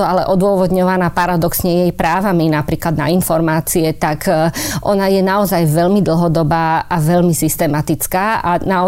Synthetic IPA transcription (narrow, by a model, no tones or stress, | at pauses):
ɔalɛʔɔd̪ʊɔʋɔd̪ɲɔʋanaːpaɾad̪ɔksɲɛjɛjpɾaːʋaminapɾiːklad̪na̰infɔɾmaːt͡siɛt̪akʔɔnajɛnaɔzajʋɛʎmid̪l̩ɦɔd̪ɔbaːʔaʋɛʎmisist̪ɛmat̪it͡skaːʔanaɔ